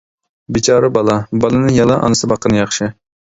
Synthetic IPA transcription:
bit͡ʃʰɑːɾɨbɑlˠɑbɑlˠɨnɨŋjɑlˠɑʔɑ̰nɨsɨbɑqʰːənɨjɑχʃɪ

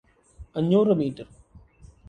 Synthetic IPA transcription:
ɐɲːoːɾɐmiːʈəɾ

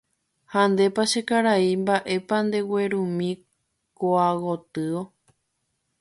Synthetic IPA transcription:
hand̪e̞paʃekaɾaimbaʔe̞pand̪e̞we̞ɾũmĩ | koawot̪ɨo̞

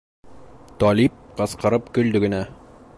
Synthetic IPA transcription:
t̪ɒlip̚qɤ̆sqɤ̆ɾɤpkɵ̆ld̪ɵɡɘ̆næ

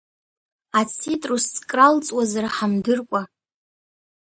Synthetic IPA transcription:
at͡sʰitʼrust͡sʼkʼralt͡sʼwazaraħamdɨrkʷʼa

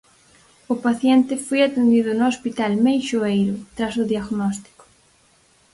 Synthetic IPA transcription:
ʊpaθjɛnt̪ɪfojat̪end̪iðʊnʊospit̪almejʃoejɾʊt̪ɾasʊðjaɣnɔst̪i̥kʊ̥

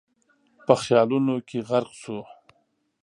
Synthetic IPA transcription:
pəxjɑlunokʰeɣaɾqso

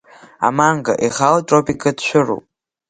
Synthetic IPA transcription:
a̰maŋɡa̰ʔiχaltʼopikʼɨdʃʷᶣʊro̰pʼ

